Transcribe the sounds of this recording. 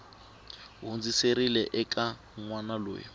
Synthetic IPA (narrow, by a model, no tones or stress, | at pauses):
ɦund͡ziseɾilɛʔɛkʼa | ŋwanalo̰ːji